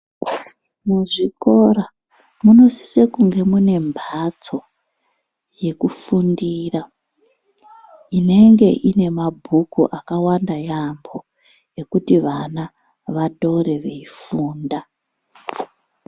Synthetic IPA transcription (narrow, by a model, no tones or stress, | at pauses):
muʐiko̞ɾa | muno̞si̥sekuŋɡe̞mune̞mbʱat͡so̞ | je̞kufundiːra | ine̞ŋɡe̞ʔine̞mabʱukuʔakawandajambo̞ | e̞kutiʋana | ʋado̞ɾe̞ʋe̞ifuːnda